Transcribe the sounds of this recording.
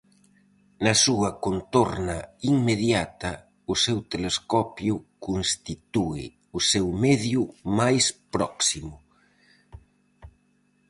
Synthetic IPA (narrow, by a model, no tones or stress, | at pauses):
nɐsuɐkont̪oɾnɐiŋmeðjat̪ɐ | ʊsewt̪eleskɔpjʊkonst̪it̪uɪ̰ | ʊsewmɛðjʊmajspɾɔksimʊ